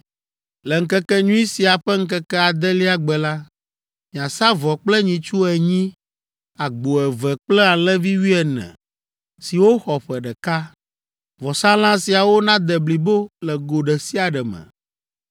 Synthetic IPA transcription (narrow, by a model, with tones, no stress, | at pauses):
lɛ˨ŋ̩˦kɛ˦kɛ˦ɲũ˦i˦si˨a˨ɸɛ˦ŋ̩˦kɛ˦kɛ˦a˨d̪ɛ˦li˦a˨ɡ͡bɛ˨la˦ | mĩ˨ã˨sa˦vɔ˨k͡plɛ˦ɲĩ˨t͡ʃu˦ɛ˨ɲĩ˦ | a˨ɡ͡bo˨ɛ˨vɛ˨k͡plɛ˦a˨lɛ̃˦vi˦wi˦ɛ˨nɛ̰̃˨ | si˨wo˦xɔ˨ɸɛ˨ɖɛ˨ka˦ | vɔ˨sã˦l̃ã˦si˨a˨wo˦nã˦d̪ɛ˨bli˨bo˦lɛ˨ɡo˨ɖɛ˨si˦a˨ɖɛ˨mɛ̰˨